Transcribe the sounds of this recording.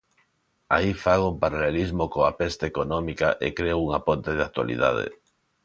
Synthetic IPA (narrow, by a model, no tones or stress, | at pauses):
a̰ifaɣompaɾalelizmokoapest̪eekonõmikaʔḛkɾeouŋapont̪eðeak̚t̪wa̰lḭða̰ð̞ḛ